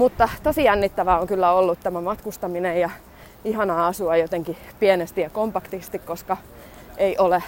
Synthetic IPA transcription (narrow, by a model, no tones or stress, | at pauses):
mut̪ːɑt̪osijænːit̪ːæʋæoŋkylːæolːut̪t̪æmæmɑt̪kust̪ɑminejjɑ | ihɑnɑːɑsuɑjot̪eŋkipienest̪ijɑkompɑkt̪ist̪ikkoskɑ | eiʔole